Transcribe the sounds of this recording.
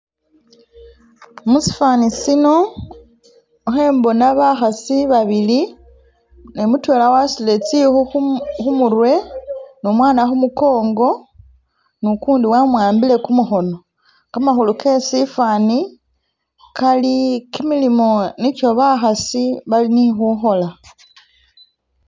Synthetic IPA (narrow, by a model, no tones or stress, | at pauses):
musi̥fanisino̞ | xe̞ːmbo̞naβaxasiβaβili | nemutwe̞lawasilet͡sixuxxumuɾwe̞nomwaːnaxumuko̞ːŋɡo̞ | nukuːndiwamwaːmbile̞kumuxo̞no̞ | kamaxuluke̞sifani | kalikimilimo̞nico̞βaxasiβalinixuxo̞la